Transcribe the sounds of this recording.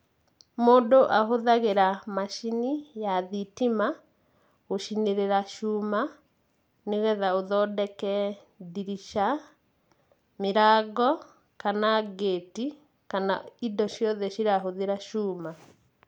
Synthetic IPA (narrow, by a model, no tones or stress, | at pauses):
moːdoʔaɦoðaɣeɾamaʃinijaðitima | oʃineɾeɾaʃuma | newɛðaoðɔdɛkɛ | diɾiʃa | miɾaɡɔ | kanaɡeːti | kana̰idɔʃjɔðɛʃiɾaɦoðeɾaʃuːma